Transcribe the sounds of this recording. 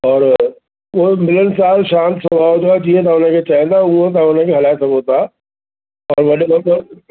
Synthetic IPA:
ɔːɾ | ʋomɪlənɪ̆saːlʃãːnt̪sɐbʱaːot̪ʰoaɛd͡ʑĩːə̃t̪̬ãʊn̤ə̃kʰet͡ɕaːɦẽnd̪aũə̃t̪̬ãʊn̤ə̃kʰeɦɐlaːesɐɡot̪ʰaː | ɔːɾʋɐɗebɐbəɾ

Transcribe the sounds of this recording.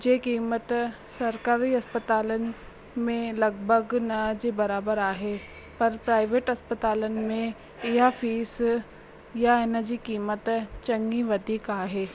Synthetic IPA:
d͡ʒeːkiːmət̪ | sɐɾkaːɾiɐspət̪aːlən | mẽlɐɡbʱəɡnɐd͡ʒibɐɾaːbəɾaːɦeː | pɐɾpɾaːɪʋeːʈɐspət̪aːlənmẽ | ɪjafiːs | jaenəɾd͡ʒikiːmət̪t͡ʃɐ̃ŋɡiʋəd̪ikaːɦeː

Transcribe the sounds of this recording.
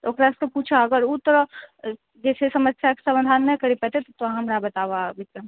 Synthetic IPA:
t̪ookɾaskeput͡ʃʰaəɡəɾut̪ːəɾə | d͡ʒɛːsesɐməsjake̥sɐmd̪ʱaːnːəkəɾipɛt̪et̪ot̪oãɦɐmɾabɐt̪aʋabɪt̪ɾə

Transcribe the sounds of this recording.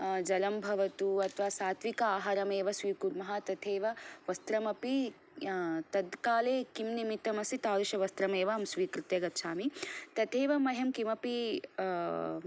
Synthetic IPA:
d͡ʒɐlɐmbʱɐʋɐt̪uɐt̪ʰʋaːsaːt̪ʰʋikɐaːɦaːɾɐmeːʋɐsʋiːkuɾmɐɦɐt̪ɐt̪ʰeːʋɐʋɐst̪ɾɐmɐpi | t̪ɐd̪kaːleːkimnimit̪ɐmɐsit̪aːɾuʃɐʋɐst̪ɾɐmeːʋɐːmsʋiːkɾit̪jɐɡɐt̪ʃaːmit̪ɐt̪ʰeːʋɐmɐɦɐmkimɐpi

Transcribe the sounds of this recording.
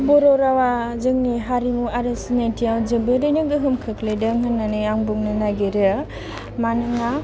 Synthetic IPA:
bɔɾɔɾawazɯŋniɦaɾimuaɾɯsinajtʰijawd͡ʒɯbɯɾɯjnɯɡɯɦɯmkʰɯkledaŋɦɯnːanɯjaŋbɔŋnɯnaɡeɾɯ | manɯŋa

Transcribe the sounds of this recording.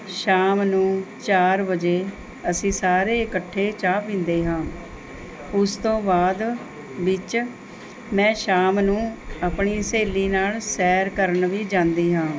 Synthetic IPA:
ʃaːmnũːt͡ʃaːɾbəd͡ʒeː | əsĩːsaːɾeːɪkəʈʰːeːt͡ʃaːpɪ̃ːnd̪eːɦãː | ʊst̪õːbaːd̪ | ʋɪt͡ʃ | mɛ̃ːʃaːmnũːaːpɳiːseːliːnaːlsɛːɾkəɾəɳʋiːd͡ʒãːnd̪iːɦãː

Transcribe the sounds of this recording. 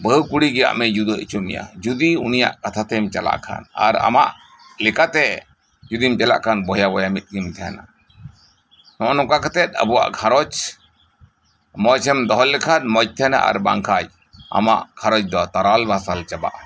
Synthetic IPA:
bəɦkuɽiɡɛja̰ʔmɛd͡ʒud̪ɔt͡ʃumḭja̰d͡ʒud̪iunija̰ʔkat̪ʰat̪ɛmt͡ʃala̰ʔkʰa̰na̰ɾa̰ma̰ʔ | lɛkat̪ɛ | d͡ʒud̪imt͡ʃɛla̰ʔkanbɔjabɔjamit̪̚ˀɡimt̪ʰɛjana̰ | nɔʔɔnɔkakɛt̪ɛt̪̚ˀə̰buwa̰ʔɡʰʱaɾɔt͡ʃ | mɔt͡ʃʰɛmd̪ɔɦɔlɛkʰat̪̚mɔc̚t̪ʰɛna̰ʔa̰ɾba̰ŋkʰaj | a̰ma̰ʔɡʰaɾɔt͡ʃd̪ɔt̪aɾalbasalt͡ʃaba̰ʔa

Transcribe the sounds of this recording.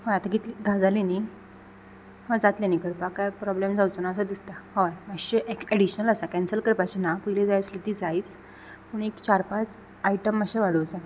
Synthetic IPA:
hɔjat̪aɡit̪liɡ̪ʱad͡zalini | hɔd͡zat̪lenikəɾpakajpɾɔblemd͡zawt͡sonaəsɔd̪ist̪ahɔjməɕeʔekɛɽiɕnələsakɛnsəlkəɾpat͡ɕenapəjled͡zajt͡slut̪id͡zaiːt͡s | puːɳekt͡ɕaɾpat͡s | aiʈəmːəɕeʋaɽot͡sa

